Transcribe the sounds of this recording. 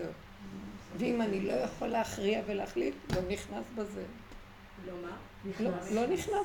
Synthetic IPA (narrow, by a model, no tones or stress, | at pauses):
e | veimanilo̞jaχolːeaχʁiaveleaχlitlo̞niχnasbeze | lolo̞niχna